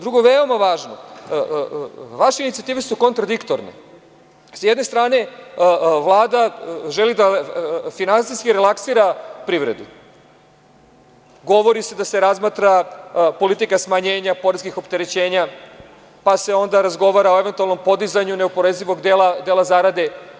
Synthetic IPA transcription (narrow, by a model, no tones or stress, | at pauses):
d̪ɾuɡoʋeo̞maʋaːʒno | ʋaʃeinit̪siat̪iːʋe̞suko̞nt̪ɾad̪ikt̪oɾnḛ | sjed̪ne̞st̪ɾaːne̞ | ʋlˠaːd̪aʒelid̪afinansijskiɾelˠaksiːɾapɾiːʋɾḛd̪ṵ | ɡo̞ʋo̞ɾise̞d̪ase̞ɾazmat̪ɾapo̞lit̪ikasmaɲe̞ːɲapo̞ɾeskixo̞pt̪e̞ɾe̞t͡ɕe̞ːɲa | pase̞o̞nd̪aɾazɡo̞ʋaːɾaoe̞ʋent̪ualno̞mpo̞d̪izaɲuneopo̞ɾeziʋo̞ɡd̪elad̪elazaɾad̪e̞